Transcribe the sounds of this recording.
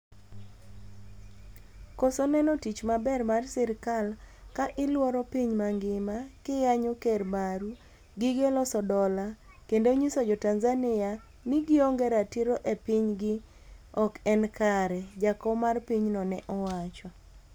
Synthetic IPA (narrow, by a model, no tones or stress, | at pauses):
kɔsonɛnɔtit͡ʃmabɛrmarsɪɾkalkaʔɪlwɔɾɔpiɲmaŋɡɪmakɪjaɲokermaɾu | ɡɪɡelɔsɔdɔla | kendoɲisod͡ʒɔtanzanɪja | nɪɡɪɔŋɡɛɾatiɾoʔepɪɲɡɪ | ɔkɛnkaɾɛd͡ʒakɔmarpiɲnɔnɛʔɔwat͡ʃɔ